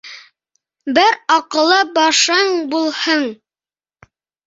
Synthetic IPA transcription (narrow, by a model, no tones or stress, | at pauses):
bɘɾɑqɤ̆lˠːɤbɑʃɤɴbulˠhɤɴ